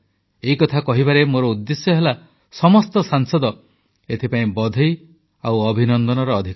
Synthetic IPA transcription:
eikɔt̪ʰakɔɦibaɾemoɾɔud̪ːesjɔɦela | sɔmɔst̪ɔsaŋsɔd̪ɔ | et̪ʰipaĩbɔd̪ʱɔj | awɔbʱinɔnd̪ɔnɔɾɔːd̪ʱik

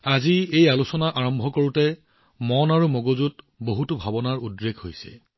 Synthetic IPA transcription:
aziejalusɔnaʔaɹɔmbʱɔkoɹutɛ | mɔnaɹumoɡozut | boɦutubʱabɔnaɹudɹeɡhojsɛ̰

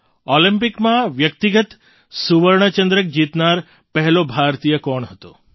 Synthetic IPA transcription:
olimpikmãʋjək̚t̪iɡət̪ | suʋəɾɳ̃ət͡ʃənd̪ɾək̚d͡ʒit̪naɾ | pəɦɛlobʱaɾt̪ijəkɔɳɦət̪o

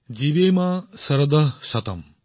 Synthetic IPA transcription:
d͡ʒiʋeːmaːsɐɾɐd̪ɐʃɐt̪ɐ̰m

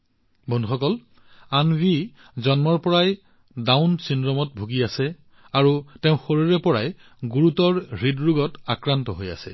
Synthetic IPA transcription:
bʱɔnduxɔkɔl | anwi | zɔnmɔɹpɔɹaj | dawnsinɹɔmɔt̚bʱuɡiasɛ | aɹuteʊ̃xoɹiɹɛpɔɹaj | ɡuɹutɔɹɹidɹuɡɔtakɹantɔɦoja̰sɛ̰

